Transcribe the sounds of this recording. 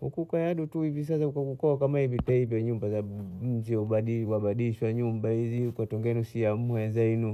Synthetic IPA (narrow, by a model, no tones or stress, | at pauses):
hukukajaɗutuhivis̬as̬aukakukɔakamahivitaivjaɲumbazam̩ziaɗiwaɓaɗiʃwaɲumbahiziukwatɔŋɡɛnusiam̩ɔazainu